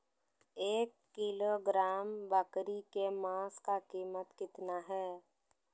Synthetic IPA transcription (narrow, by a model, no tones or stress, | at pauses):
eːkːɪloɡɾaːmbakɾikemãːskakiːmət̪kɪt̪naɦɛː